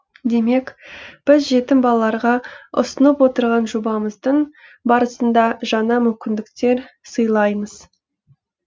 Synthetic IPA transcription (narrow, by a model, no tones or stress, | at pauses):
d̪e̞me̞kb̥ɪzʒe̞t̪ɪmbɑlˠɑlˠɑɾʁɑʊ̰sənəpwo̞t̪əɾʁɑnʒobɑməzd̪əɴbɑɾəsənd̪ɑʒɑnɑmʏmkʲɪnd̪ɪkt̪e̞ɾsəjlˠɑjməz̥